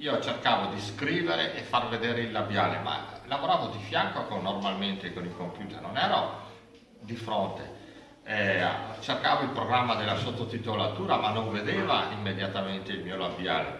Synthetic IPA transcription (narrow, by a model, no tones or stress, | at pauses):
iːot͡ʃerkaːvod̪iskɾiːveɾeʔefarved̪eːɾeilːabjaːlema̰lavoɾaːvod̪ifjaŋkokonːormalment̪ekonilkompjuːt̪ernonɛːɾo | d̪ifɾont̪ḛ | ɛ̰t͡ʃerkaːvoilpɾoɡɾamːad̪elːasot̪ːot̪it̪olat̪uːɾamanːõɱved̪eːvaimːed̪jat̪ament̪eilmiːolabja̰ːlḛ